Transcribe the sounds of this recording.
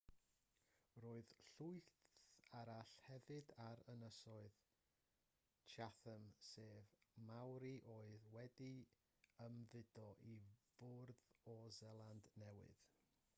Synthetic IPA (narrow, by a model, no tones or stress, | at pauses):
roːɨðɬuɨθθaɾaɬhɛvɨdaɾənəsɔɨð | t͡ʃʰaθəmseːvmawɾiʔoːɨðwɛdi | əmðɪdɔʔivʊrðɔzɛlˠandnɛwɨ̰ð̥